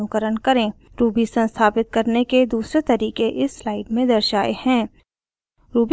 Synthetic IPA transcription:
ʊkəɾənkɐɾẽ | ɾuːbʱisə̃nst̪ʰaːpɪt̪̚kɐɾneked̪uːsɾet̪ɐɾiːkeʔɪsːlaːɪɖmẽd̪ɐɾʃaːehɛ̃ː | ɾuːb

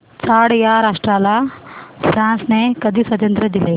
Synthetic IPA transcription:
t͡ʃaːɽɐjaɾaːʂʈɾaːlasɾãːnsnekɐd̪isɐd̪jɐnt̪ɾɐd̪ile

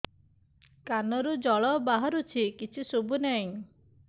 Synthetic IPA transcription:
kanɔɾud͡ʒɔɭɔbaɦaɾut͡ʃʰikit͡ʃʰisobunɛj̃

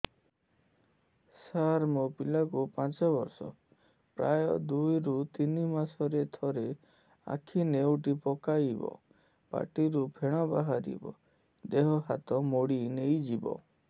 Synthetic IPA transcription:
saɾmopilakupãt͡ʃɔbɔɾsɔ̰ | pɾa̰jɔ̰d̪ujɾut̪inimasɔɾet̪ʰɔɾe | a̰kʰinewʈipɔkajbɔ̰ | pa̰ʈiɾupʰeɽ̃ɔbaɦaɾḭbɔ̰ | d̪eɦɔhat̪ɔmoɽinejd͡ʒibɔ̰

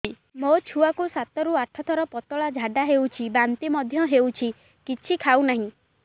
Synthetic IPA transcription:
mot͡ʃʰuakusat̪ɔɾuaʈʰɔt̪ʰɔɾɔpɔt̪ɔɭad͡ʒʱaɖaɦewt͡ʃʰibant̪imɔd̪ʱjɔɦewt͡ʃʰi | kit͡ʃʰikʰawnaɦĩ

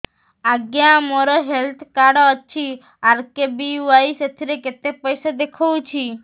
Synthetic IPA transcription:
aɡjãmoɾɔɦelt̪ʰkaɽoət͡ʃʰi | aɾkebiʋaiset̪ʰiɾeket̪epəjsɔd̪ekʰɔʋũt͡ʃʰi

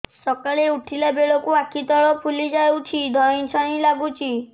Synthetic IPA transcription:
sɔkaɭeuʈʰilabeɭɔkuakʰit̪ɔɭɔpʰulid͡ʒawt͡ʃʰid̪ʱɔj̃nt͡ʃʰɔɽ̃ilaɡut͡ʃʰi

